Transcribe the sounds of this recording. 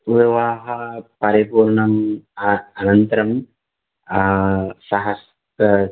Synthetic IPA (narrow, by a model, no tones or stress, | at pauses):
ʋiʋaːɦɐpɐɾipuːɾɳɐm | ɐnɐnt̪ɐɾɐm | sɐɦɐs | t̪ɐ